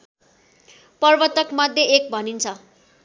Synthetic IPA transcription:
pʌrbʌt̪ʌkmʌd̪ʱjeek̚bʱʌnint͡sʰʌ

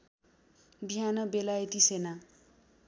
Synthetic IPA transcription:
bʱijanʌbelaet̪isena

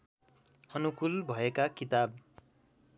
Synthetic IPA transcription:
ʌnukulbʱʌekakit̪ab̚

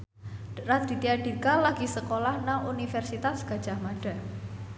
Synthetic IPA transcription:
rat̪̚d̥i̤t̪iaɖikalaɡ̥isəkolahnaunifɛrsit̪asɡ̥a̤̥ʒ̥ahmaɖ̥a̤

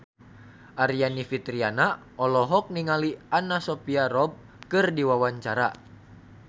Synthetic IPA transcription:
ʔaɾianifit̪ɾiana | ɔlɔɦɔk̚niŋalianasɔpiaɾɔb̚ | kɨrdiwawaɲt͡ʃaɾa

